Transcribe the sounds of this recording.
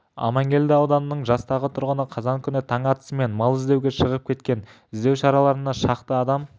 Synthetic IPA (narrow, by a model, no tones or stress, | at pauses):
ɑ̰mɑŋɡʲe̞ld̪ɪɑwd̪ɑnənəɴʒɑst̪ɑʁət̪ʰʊɾʁənəqʰɑzɑŋkʲʰʏnɪt̪ʰɑɴɑt̪ə̥səme̞nmɑlˠɪzd̪e̞wɡʲe̞ʃəʁəp̚kʲʰe̞t̪kʲe̞n | ɪzd̪e̞wʃɑɾɑlˠɑɾənɑʃɑqt̪əɑd̪ɑm